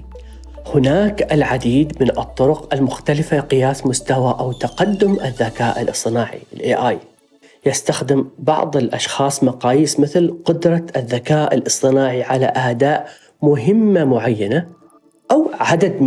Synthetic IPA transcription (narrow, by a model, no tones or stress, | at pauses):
hʊnaːkɪlʕad̪iːd̪mɪnʔɨ̰t̪ˤːʊɾʊqʔalmʊxt̪alɪfalqɪjaːsmʊst̪awaʔawt̪aqad̪ːʊmʔɪðːakaːʔɪlʔɨsˤt̪ɨnaːʕḭɪlʔeːʔaːj | jɪst̪axd̪ɪmbɑ̰ʕðˤɪlʔa̰ʃxɑːsˤmɑqɑːjiːsmɪθlqʊd̪ɾˤɑɪðːakaːʔɪ̰lʔɨsˤt̪ˤɨnaːʕiʕalaʔaʔd̪aːʔ | mʊɦɪmːamʊʕajːana | ʔawʕad̪ad̪